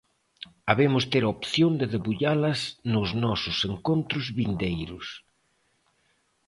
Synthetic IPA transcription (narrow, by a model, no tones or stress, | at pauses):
aβemʊst̪eɾopθjond̪ɪðeβuʎalɐznʊznɔsʊseŋkont̪ɾʊzβind̪ejɾʊs